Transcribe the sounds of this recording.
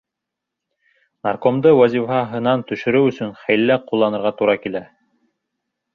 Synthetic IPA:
nɑrkomd̪ɤwæzʲifɑɦɤ̆nɑnt̪ɵ̆ʃɵ̆ɾɘwɵ̆sɵnχæjlːæqulˠːɑnɤ̆ɾʁɑt̪uɾɑkilæ

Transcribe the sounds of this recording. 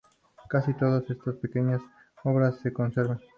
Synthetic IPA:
kasit̪oðasest̪ɐspekeɲas | oβɾasːekonseɾβẽŋ

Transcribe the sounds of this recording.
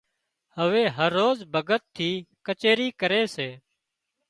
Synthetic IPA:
həʋeːɦəɾːoːzbʱəɡət̪ʰːiːkət͡ʃeːɾiːkəɾeːseː

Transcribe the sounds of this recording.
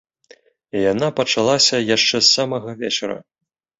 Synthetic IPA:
ijanapɐt͡ʂalˠasʲɐjaʂt͡ʂɛsːamɐɣɐvʲɛt͡ʂɐɾɐ̰

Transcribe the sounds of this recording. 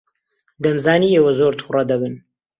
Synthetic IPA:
d̪ɐmzaːniːeːwɐzoːɾt̪ʰurɑd̪ɐbɨn

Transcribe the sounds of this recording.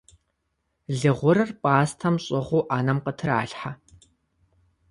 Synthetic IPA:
ɮɨʁʷʊɾɐrpʼaːstʰɐmɕʼɪʁʷuːʔaːnɐmqətʰɨra̰ːɬħa

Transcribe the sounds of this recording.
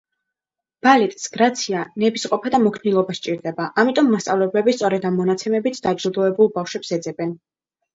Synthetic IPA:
b̥alit̪ʼsɡ̥ɾat̪sʰianɛbisqʼɔpʰad̪amɔkʰnilˠɔbast͡ʃʼiɾd̪ɛbaʔamit̪ʼɔmːast̪sʼa̰vlɛblɛbist̪sʼɔɾɛd̪ammːɔnat̪sʰɛmɛbit̪ʰd̪̥ad͡ʒɾud̪ɔɛbulˠbafʃwɛpsɛd̪zɛbɛn

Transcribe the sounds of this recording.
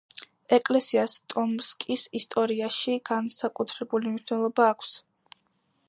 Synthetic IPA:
ɛkʼlɛsiast̪ʼɔmskʼisist̪ʼɔɾiaʃiɡ̥ansakʼut̪ʰɾɛbulimniʃwnɛlˠɔbaːkʷʰs

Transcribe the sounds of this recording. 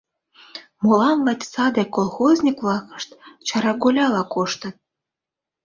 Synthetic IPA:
molɑnlɑt̪ʲsɑd̪ekolˠxozʲnʲikβlˠɑkə̥ʃt̪t͡ɕɑɾɑɡolʲɑlɑkoʃt̪ɤ̆t̪

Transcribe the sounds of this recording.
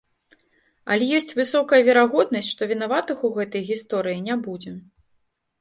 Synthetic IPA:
ɐ̰lʲɛjɔsʲt͡sʲvɨsɔkɐjɐvʲɛɾaɣɔd̪̚nɐsʲtʲʂt̪ɔvʲin̪avat̪ɨxuɣɛt̪ɐjɣʲist̪ɔɾɨjinʲabud͡zʲɛ

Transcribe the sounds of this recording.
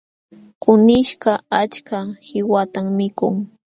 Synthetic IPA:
kʊnɪʃɢɑat͡ʃkahɪwat̪ammɪkʊ̰ŋ

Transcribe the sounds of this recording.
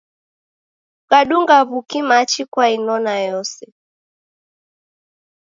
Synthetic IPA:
ɣaɗuŋɡaβukimat͡ʃikwainɔnajɔsɛ

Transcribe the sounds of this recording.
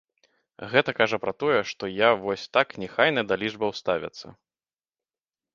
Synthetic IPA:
ɣɛt̪ɐkaʐɐpɾɐt̪ɔjɛʂt̪ɔjavɔsʲt̪aknʲɛxajnɐd̪alʲiʐbɐwst̪avʲɐ̰t̪sːɐ̰

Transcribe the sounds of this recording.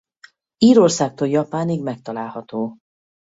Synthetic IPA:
iːɾo̞rsaːk̚t̪oljɒpaːniɡmɛk̚t̪ɒlaːlhɒt̪oː

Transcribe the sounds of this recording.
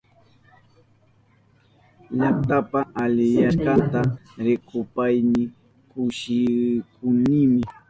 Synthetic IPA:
ʎaχt̪apaʔalɪjaɾkɑnt̪aɾɪkʊpajnɪ | kʊʃɪkʊnɪmɪ

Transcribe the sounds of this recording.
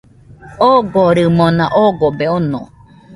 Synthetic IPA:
oɡoɾɯmonãʔoɡobeonõ̰

